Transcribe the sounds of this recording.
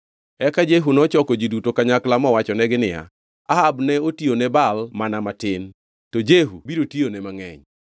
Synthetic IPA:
ɛkad͡ʒeɦunɔt͡ʃɔkɔd͡ʒidutokaɲaklamɔwat͡ʃɔnɛɡɪnɪja̰ | aɦabnɛotionɛbalmanamatɪn | tɔd͡ʒeɦṵbiɾotionɛmaŋɛɲ

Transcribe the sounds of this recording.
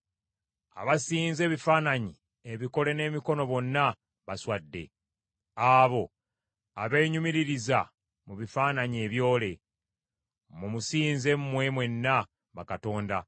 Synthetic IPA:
a̰βasiːnze̞ːβifaːnaɲi | eβiko̞le̞ne̞ːmiko̞no̞βo̞nːa | βaswadːe̞̰ | aːβo̞ | aβeɲumiɾiɾiza | muβifaːnaɲie̞βjo̞ːle̞ | mumusiːnze̞mmwe̞mwe̞nːa | βakato̞ːnda

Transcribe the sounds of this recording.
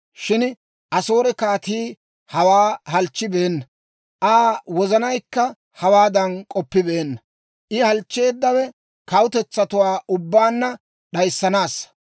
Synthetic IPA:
ʃɪn | ʔɐso̞ːɾɛkaːt̪iː | hɐwaːɦɐlt͡ʃːɪbeːnːɐ | ʔaːwɔzɐnɐjkːɐ | hɐwaːd̪ɐnkʼɔpːɪbeːnːɐ | ʔɪhɐlt͡ʃːe̞ːd̪ːɐwɛ | kɐwʊt̪ɛt͡sːɐt̪ʊwaːʔʊbːaːnːɐ | ɗɐjsːɐnaːsːɐ̥

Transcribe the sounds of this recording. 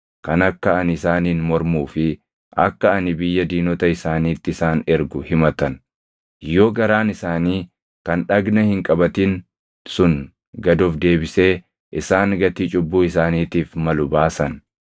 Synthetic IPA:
kɐnɐkːɐɐnɪsaːniːnmɔɾmuːfɪ | ʔɐ̰kːɐɐnɪbɪjːɐd̪iːnɔt̪ɐɪsaːniːt̪ːɪɪsaːnɛɾɡʊhɪmɐt̪ɐn | jo̞ːɡɐɾaːnɪsaːniː | kɐnᶑɐɡnɐhɪŋkʼɐbɐt̪ɪn | sʊn | ɡɐd̪ɔfd̪e̞ːbɪse̞ː | ʔɪsaːŋɡɐt̪iːt͡ʃʼʊbːuːɪsaːniːt̪iːfmɐlʊbaːsɐn

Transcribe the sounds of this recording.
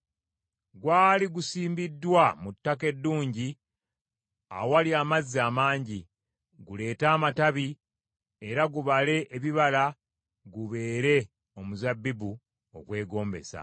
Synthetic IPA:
ɡwaːliɡusiːmbidːwamutːake̞dːuːɲɟi | a̰waliaːmazːiaːmaːɲɟi | ɡule̞ːtaːmataβi | e̞ɾaɡuβale̞ʔːβiβala | ɡuβe̞ːɾe̞ | o̞muzabːibu | o̰kwe̞ːɡo̞ːmbe̞̰sa̰

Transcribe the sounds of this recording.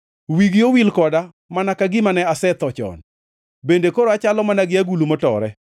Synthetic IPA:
wiɡjowilkɔda | manakaɡɪmanɛasɛt̪ɔt͡ʃɔ̰n | bendekoɾoat͡ʃalɔmanaɡɪaɡulumɔtɔɾɛ

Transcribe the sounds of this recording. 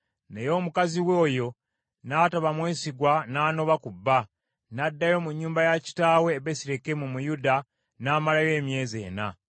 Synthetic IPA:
ne̞jo̞ːmukaziwo̞ːjo̞ | naːtaβamwe̞ːsiɡwanaːno̞βakubːa | nadːajo̞muɲːuːmbajaci̥taːwe̞ːβesiɾe̞kemumujuda | naːmalaje̞ːmje̞ːze̞̰ːna̰

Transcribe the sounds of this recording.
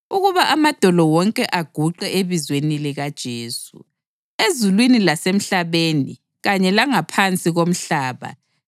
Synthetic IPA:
uɣuβaʔamad̥ʱɔlɔwɔŋkʼɛʔaɡ̥ʱuǃɛʔeβizwenilɛɣad̥ʒ̥ʱeːsṵ | ezulwinilasem̩ɬaβeːni | ɣaɲɛlaŋapʰant͡sʼiɣom̩ɬaːβa̰

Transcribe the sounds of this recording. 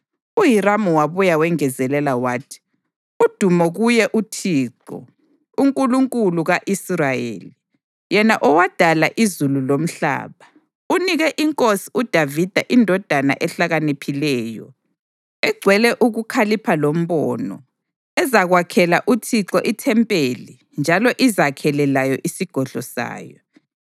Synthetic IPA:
uɦiramuwaβujawɛŋɛzɛlɛlawaːtʰi̥ | ud̥ʱumɔɣujɛʔutʰiːǁɔ̰ | uŋkʼuluŋkʼuluɣaʔisrajḛːli | jɛnaʔɔwad̥ʱalaʔizululom̩ɬa̰ːβa | uniɣɛʔiŋkʼosi̥ud̥ʱavid̥ʱaʔindʱɔd̥ʱana̰ʔɛɬaɣanepʰilɛːjɔ̰ | ɛɡ͡ǀʱwɛlɛʔuɣukʰalipʰalom̩βɔnɔ̰ | ɛzaɣwakʰɛlaʔutʰiǁɔʔitʰɛmpʼeli | nd͡ʒʱalɔʔizakʰɛlɛlajɔʔisiɡ̥ʱɔɮɔsa̰ːjɔ

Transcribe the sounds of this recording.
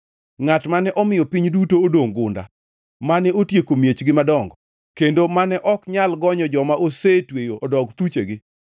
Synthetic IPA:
ŋatmanɛʔɔmɪjɔpiɲdutoːdoŋɡʊnda̰ | manɛotjekomjet͡ʃɡɪmadɔŋɡɔ | kendomanɛʔɔkɲalɡɔɲɔd͡ʒɔmaʔosetwejoʔɔdɔɡt̪ut͡ʃḛɡɪ

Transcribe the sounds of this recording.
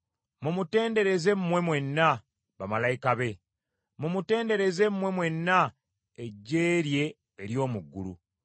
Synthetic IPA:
mumute̞ːnde̞ɾe̞ze̞mmwe̞mwe̞nːa | βamalaikaβe̞ | mumute̞ːnde̞ɾe̞ze̞mmwe̞mwe̞nːa | eɟːeːɾje̞ː | ɾjo̞ːmuɡːṵlṵ

